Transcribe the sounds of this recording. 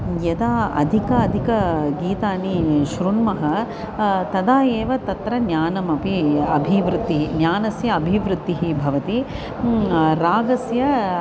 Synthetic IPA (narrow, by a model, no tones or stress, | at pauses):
jɐd̪aːɐ̰d̪ʱikɐːd̪ʱikɐɡiːt̪aːniʃɾuɳmɐɦɐ | t̪ɐd̪aːjeːʋɐt̪ɐt̪ɾɐnjaːnɐmɐpiɐbʱiʋɾut̪ːiɦinjaːnɐsjɐːbʱiʋɾut̪ːiɦibʱɐʋɐt̪i | ɾaːɡɐsjɐ